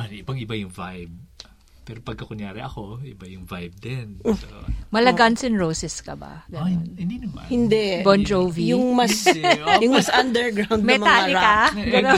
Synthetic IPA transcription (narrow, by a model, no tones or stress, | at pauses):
anɪbɐŋɪbajʊŋvajb̚ | pɛːɾopɐɡ̚kɐkʊŋjaːɾɪʔɐko̞ɪbajʊŋvajb̚d̪ɛn | mɐlɐɡansɪnɹowsɛskɐbɐ̰ɡɐnonɪnd̪inɐmɐhɪnd̪ɛbond͡ʒowvijʊŋmɐsjʊŋmɐsʔɐnd̪ɛɹɡɾawnd̪mɛmɐt̪aːlɪakaɡɐno